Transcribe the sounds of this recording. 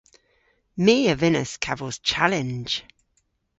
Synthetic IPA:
miːəvɪnə̰skʰavəz̥t͡ʃʰalɪ̃n̥d͡ʒ̥

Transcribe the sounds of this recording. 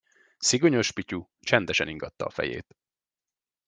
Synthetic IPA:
siɡo̞ɲo̞ʃpicu | t͡ʃɛnd̪ɛʃɛniŋɡɒt̪ːɒːfɛ̰jḛːt̪

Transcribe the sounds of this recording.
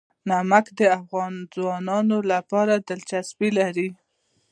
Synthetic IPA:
namakd̪əafɣɑnzwɑnɑnolapɑɾad̪ɪlt͡ʃasbilaɾi

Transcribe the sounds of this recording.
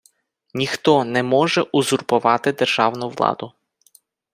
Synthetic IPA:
nʲixt̪ɔnɛmɔʒɛʔʊzʊrpʊʋɑt̪ɪd̪erʒ̥ɑwnʊʋlˠɑ̰d̪ʊ

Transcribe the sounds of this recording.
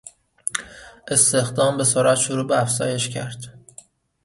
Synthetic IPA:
ʔe̞st̪e̞xd̪ɒːmbe̞soɾæt̪ʃoɾuːbeæfz̥ɒːje̞ʃcʰæɾd̪̥

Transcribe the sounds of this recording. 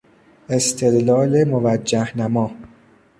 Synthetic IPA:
e̞st̪ʰe̞d̪lɒːlemovæd͡ʒːæhnæmɒː

